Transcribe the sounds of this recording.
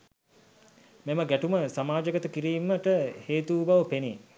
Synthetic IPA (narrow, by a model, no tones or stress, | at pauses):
meməɡæʈuməsamaːd͡ʒəkət̪əkiɾiːməʈəheːt̪ubaʋəpene